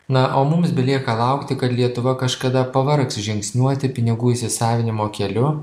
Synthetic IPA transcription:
nɐʔoːmʊmsbʲɛlʲiɛkɐlˠɐʊkt̪ʲɪkɐt̪lʲiɛt̪ʊʋɐkɐʃkɐd̪ɐpɐʋɐɾksʒʲɪŋksʲnʲuɔt̪ʲɪpʲɪnʲɪɡuːiːsʲɪsɑːʋʲɪnʲɪmoːkʲɛlʲʊ

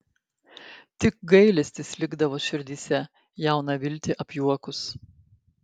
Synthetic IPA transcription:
t̪ʲɪk̚ɡɐɪlʲɛsʲt̪ʲɪslʲɪɡd̪ɐʋoːʃʲɪɾʲd̪ʲiːsʲɛ | jæˑʊnɐʋʲɪlʲˑt̪ʲɪʔɐpʲjuɔkʊs

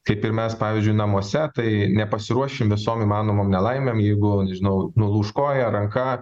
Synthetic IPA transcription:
kɐɪpɪɾmʲɛspɑːʋʲiːzʲd͡ʒʲʊɪnɐmuɔsʲɛt̪ɐɪnʲɛpɐsʲɪɾuɔʃʲɪmʋʲɪsoːmiːmɑːnoːmoːmnʲɛlˠɐɪmʲeːmjɛɪɡʊnʲɛʒʲɪnɐʊnʊlˠuːʃkoːjɛɾɐŋkɐ

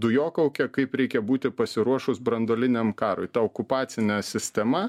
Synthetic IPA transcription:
d̪ʊjoːkɐʊkʲɛkɐɪpɾʲɛɪkʲɛbuːt̪ʲɪpɐsʲɪɾuɔʃʊsbɾɐnd̪oːlʲɪnʲɛmkɑːɾoɪt̪ɐoːkʊpɑːt̪sʲɪnʲɛsʲɪsʲt̪ʲɛmɐ

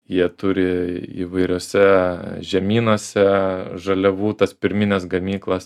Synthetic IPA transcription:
jiɛt̪ʊɾʲɪḭʋɐɪɾʲuːsʲɛʒʲɛmʲiːnoːsʲɛʒɐlʲɛʋuːt̪ɐspʲɪɾʲmʲɪnʲɛsɡɐmʲiːklˠɐs

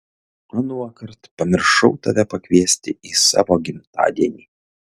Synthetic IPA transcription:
ɐnuɔkɐɾt̪pɐmʲɪɾʃɐʊt̪ɐʋʲɛpɐkʋʲiɛsʲt̪ʲɪiːsɑ̰ːʋoːɡʲɪmt̪ɑ̰ːd̪ʲiɛnʲiː

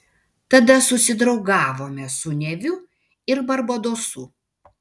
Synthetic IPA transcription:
t̪ɐd̪ɐsʊsʲɪd̪ɾɒʊɡɑːʋoːmʲɛsʊnʲɛʋʲʊ | ɪɾbɐɾbɐd̪oːsu

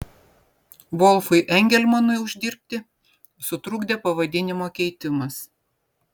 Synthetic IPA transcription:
ʋɔlˠfʊɪʔɛŋʲɡʲɛlʲmɐnʊɪʊʒʲd̪ʲɪɾʲpʲt̪ʲɪ | sʊt̪ɾʊɡd̪ʲeːpɐʋɐd̪ʲɪnʲɪmoːkʲɛɪt̪ʲɪmɐs

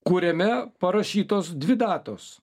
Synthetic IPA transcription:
kuːɾʲɛmʲɛpɐɾɐʃʲiːt̪oːsd̪ʲʋʲɪd̪ɑːt̪oːs

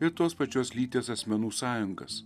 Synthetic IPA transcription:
ɪɾt̪oːspɐt͡ʃʲoːslʲiːt̪ʲeːsɐsʲmʲɛnuːsɑːjʊŋɡɐ̰s

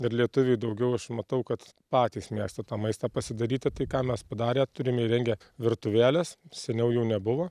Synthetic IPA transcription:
ɪɾlʲiɛt̪ʊʋʲɪjd̪ɐʊɡʲɛʊɐʃmɐt̪ɐʊkɐt̪ | pɑːt̪ʲiːsmʲiɛkst̪ɐt̪ɑːmɐɪst̪ɑpɐsʲɪd̪ɐɾʲiːt̪ʲɪt̪ɐɪkɑːmʲɛspɐd̪ɑːɾʲeːt̪ʊɾʲɪmʲiɾʲɛŋʲɡʲɛː | ʋʲɪɾt̪ʊʋʲæːlʲɛssʲɛnʲɛʊjɛʊnʲɛbʊʋoː

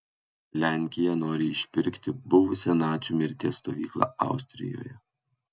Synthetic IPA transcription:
lʲæˑŋʲkʲɪjɛnoːɾʲɪɪʃʲpʲɪɾʲkt̪ʲɪbʊʋʊsʲɛnɑːt͡ʃʲuːmʲɪɾʲt̪ʲeːst̪oːʋʲiːklˠɑ̰ːɐ̰ˑʊsʲt̪ʲɾʲɪ̰jo̰ːjɛ

